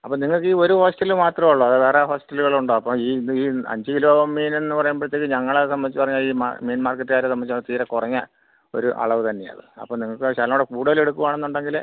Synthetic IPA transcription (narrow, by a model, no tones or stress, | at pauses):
ɐpːoːniŋːɐɭkɨiːo̞ɾuhoːsʈɐlumaːt̪rɐmɐɭːoɐðɨʋeːreɦo̞ːsʈɐlːuɣɐɭuɳɖoɐpːɐmiːiːɐ̰ɲd͡ʑɨkilumiːne̞nːɨpɐrɐjumpɐɽt̪ːekːɨɲɐŋːɐɭesɐmɐnit͡ɕːupɐrɐɲːaɭiːm̰meːnmaːrkːɐʈːɨaːɾesɐmɐnit͡ɕːuɐt̪iːɾɐkurɐɲːɐ | o̞̰ɾuʔɐ̰ɭɐʋɨt̪ɐnːeɐ̰ðɨ̰ɐ̰pːomniŋːɐɭkɨɕɐːlɐmoːɽekuːɽɐðile̞ɽukːuʋaːɳe̞nːuɳɖeŋɡil